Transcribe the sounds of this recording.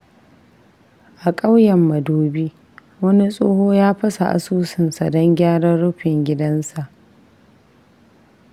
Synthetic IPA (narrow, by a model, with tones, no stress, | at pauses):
ʔa˨kʼa˦wjɛ˨mːɐ˨doː˦biː˦ | wɐ˦ni˦sʼoː˦hoː˦jaː˦ɸɐ˦sa̰˨ʔa̰˨suː˦sɪ˨nsa˨dɐ˦ŋɡʲaː˦ɽɐ˦ɽʊ˦ɸɪ˨ŋɡʲɪ˦dɐ˦nsa˨ʔ